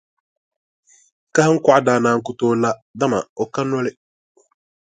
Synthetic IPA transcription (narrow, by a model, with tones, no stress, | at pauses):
ka˦ha˦ŋ̩˦kʷa˨a˦daː˨naː˨ŋ̩˦kʊ˦toː˦la˦da˦ma̰˨ɔ˨ka˦nɔ˦lɪ˦